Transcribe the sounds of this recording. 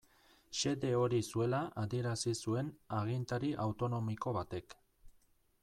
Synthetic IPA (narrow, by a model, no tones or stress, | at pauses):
ʃe̞ðe̞o̞ɾisue̞laʔaðie̞ɾasisue̞naɣ̞int̪aɾiʔawt̪o̞no̞miko̞βat̪e̞k